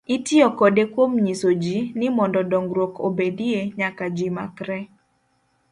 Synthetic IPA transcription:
itɪɔkɔdekwomɲisod͡ʒinɪmɔndɔdɔŋɡɾwokʰo̰bedieɲakad͡ʒima̰kɾɛ

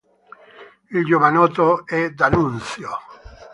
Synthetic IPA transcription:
ild͡ʒovanɔt̪oɛd̪anunt̪sjo

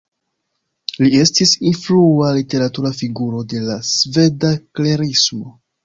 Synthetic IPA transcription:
lie̞stisinflualite̞ɾatuɾafiɡuɾo̞de̞lasve̞dakle̞ɾismo̞

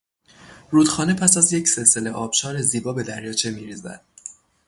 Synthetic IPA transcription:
ruːd̪̥xɒːne̞pʰæsæzje̞cʰse̞lse̞le̞ʔɒːb̥ʃɒːɾe̞ziːbɒːbe̞d̪æɾjɒːt͡ʃʰe̞miːɾiːzæ̰d̪̥̚

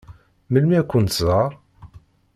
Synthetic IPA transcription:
məlmiækʷːənt̪zɑɾˤ

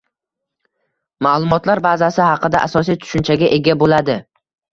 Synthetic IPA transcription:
malˠʊmɒt̪laɾbazasɪhɑqɨd̪aʔasɒsijt̪ʰʊ̥ʃʊnt͡ʃʰaɡʲaʔe̞ɡʲabolad̪ɪ

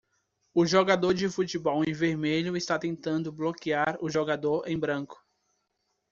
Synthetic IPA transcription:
ʊʒoɡad̪oɾd͡ʒɪfut͡ʃibɔwẽj̃veɾmeʎʊɪst̪at̪ẽnt̪ɐ̃nd̪ʊblokiaɾʊʒoɡad̪oɾẽj̃bɾɐ̃kʊ̥

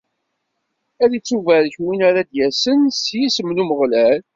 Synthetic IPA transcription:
æðit͡sːuvæðçwinaɾad̪jæsənsjisəmnuməʁlæl

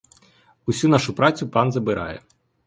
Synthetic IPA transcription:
ʊsʲunɑʃʊpɾɑt͡sʲʊpɑnzɐbɪɾʔɑ̰jɛ̰

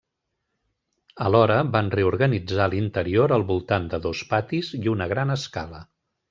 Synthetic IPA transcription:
əlɔɾəβanreuɾɣənid͡zalint̪əɾioɾəlˠβulˠt̪and̪əðospat̪iziunəɣ̞ɾanəska̰lə

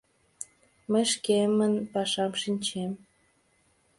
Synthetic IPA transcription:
məjʃkemənpɑʃɑmʃinʲt͡ɕem

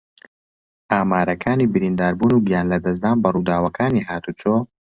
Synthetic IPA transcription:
ʔaːmaːɾɐkʰaːniːbɨɾind̪aːɾbuːnuɡijaːnlɐd̪ɐz̬d̪aːnbɐruːd̪aːwɐkʰaːniːɦaːt̪ut͡ʃoː

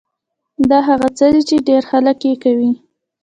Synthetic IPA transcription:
d̪ɑɦaɣat͡səd̪it͡ʃeɖeɾxaləkjekawi

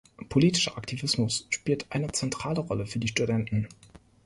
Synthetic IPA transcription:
pʰoliːtɪ̥ʃɐʔaktʰivɪsmʊsʃpiːltʔaɪnət͡sɛntʁ̥aːləʁɔləfyːɐdiːʃtudɛntn̩

